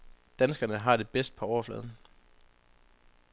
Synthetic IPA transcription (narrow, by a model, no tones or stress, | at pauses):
d̥ænsɡ̥ɐnəɦɑ̈d̥e̝b̥esd̥̚pʰɒ̽ɒʊɐflɛ̰ːð̞ˠn̩